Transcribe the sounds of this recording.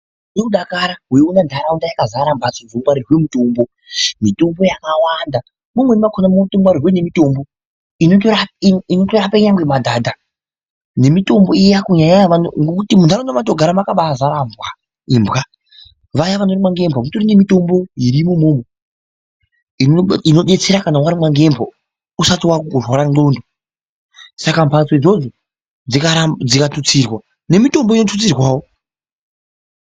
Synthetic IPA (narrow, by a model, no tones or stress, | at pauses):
nekuɗakaɾaɦweonandʱaɾaundajakazaɾambasod͡zomwaɾirwemutoːmbo | mito̞mbo̞jakawanda | mumwenimakʰonamoutombaɾirwene̞mito̞mbo̞ | inotorainotorapaiɲaŋɡwe̞madʱaːdʱa | ne̞mito̞mbo̞ijakuɲaɲaanŋɡokutimunaɾonamatoɡʱaɾamakaɓazaɾaːmbwa | imbɣa | ʋajaʋano̞ɾimwaŋɡe̞mbʱomutorine̞mito̞mbo̞jiɾimomoːmo | inino̞ɗe̞t͡se̞ɾakanawaɾimwaŋɡe̞mbʰʱo | usatiwakukurwaɾaŋ͡ǃo̞ːndo | sakampʰasoid͡zo̞d͡zo | d͡zikaad͡zikatut͡sirwa | ne̞mito̞mboinotʰut͡sirwaːwo